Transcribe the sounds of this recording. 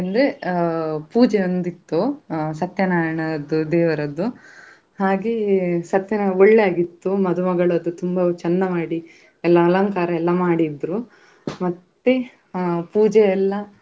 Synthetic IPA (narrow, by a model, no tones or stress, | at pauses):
ɐnd̪e | puːd͡ʒeond̪it̪ːusɐt̪jɐnaːjɐɳɐd̪ud̪ɛːʋɐɾɐd̪ːu | haːɡesɐt̪jɐnɐoɭːeaːɡit̪ːumɐd̪umɐɡɐɭɐd̪ːut̪umbɐt͡ʃɛnːɐmaːɽi | ɛlːɐːlɐŋkaːɾɐɛlːɐmaːɽid̪ɾu | mɐt̪ːe | puːd͡ʒɛɛlːɐ